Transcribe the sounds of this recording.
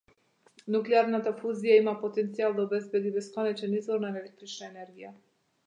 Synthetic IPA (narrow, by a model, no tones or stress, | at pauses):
nuklɛaɾnat̪afuzijaimapɔt̪ɛnt̪sialˠd̪aɔbɛzbɛd̪ibɛskɔnɛt͡ʃɛnizvɔɾnaɛɾɛlɛk̚t̪ɾit͡ʃnaɛnɛɾɡija